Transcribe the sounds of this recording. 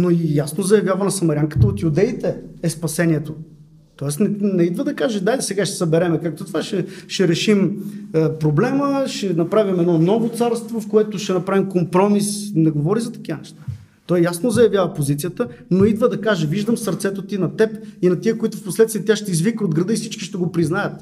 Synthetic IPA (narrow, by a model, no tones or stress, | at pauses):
noijasnozɐjɐvʲjavənɐsɐmɐɾjaŋkə̥t̪əot̪jud̪ɛit̪ɛːspɐsɛniɛt̪o | t̪ɔɛsnɛnɛid̪vəd̪ɐkaʒɛd̪aisɛɡaʃt̪ɛ̥səbɛɾɛmɛkak̚t̪ot̪ovaʃɛʃɛɾɛʃiməpɾoblɛməʃɛnɐpɾavimɛd̪nɔnɔvot̪saɾst̪vofkoɛt̪ʊʃɛnɐpɾavimkompɾɔmisnɛɡovɔɾizɐt̪ɐ̥k̟ivənɛʃt̪ḁ | t̪ɔjːasnozɐjɐvjavəpozit̪sijət̪ənoid̪vəd̪ɐkaʒɛviʒd̪əmsɐɾt̪sɛt̪ot̪inɐt̪ɛpinɐt̪iəkoit̪ʊfposlɛt̪st̪ijɛt̪jaʃt̪ɛizvikəod̪ɡɾɐd̪ɤifsit͡ʃki̥ʃt̪ɛɡopɾiznajət̪